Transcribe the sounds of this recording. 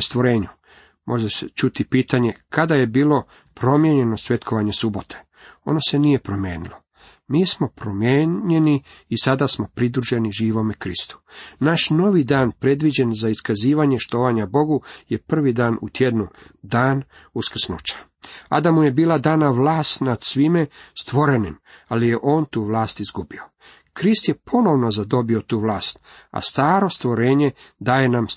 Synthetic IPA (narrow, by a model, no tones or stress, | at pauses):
st̪ʋo̞ɾe̞ːɲu | mʔo̞ʒeset͡ʃut̪ipiːt̪aɲe̞kʰad̪aje̞biːlo̞ | pɾo̞mje̞ɲe̞nosʋe̞t̪kʰo̞ʋaɲe̞subo̞t̪ʰe̥ | o̞̰no̞se̞nije̞pɾomjḛːnilˠo | miːsmo̞pɾomjeɲe̞niː | sad̪asmo̞pɾid̪ɾuʒeniʒiːʋo̞mekɾist̪u̥naʃno̞ʋid̪aːnpɾe̞d̪ʋid͡ʑe̞nzaiskaziːʋaɲe̞ʃt̪o̞ːʋaɲabo̞ɡujepr̩ʋid̪aːnut̪jed̪nud̪aːn | uskr̩snut͡ʃḁ | a̰d̪amuje̞biːlˠad̪aːnaʋlˠaːst̪nad̪sʋimest̪ʋo̞ɾenimalije̞ʔo̞ːnt̪uːʋlˠaːst̪izɡubio̞ | kɾist̪jepʰo̞no̞ʋno̞zad̪o̞biot̪uːʋlˠaːst̪a̰st̪aːɾo̞st̪ʋo̞ɾe̞ːɲe̞d̪aːje̞nam